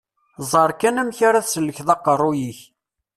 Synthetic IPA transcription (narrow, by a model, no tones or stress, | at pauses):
zˤəɾˤkænæmçaɾaθsəlːəçðɑqːərˤːʊjiç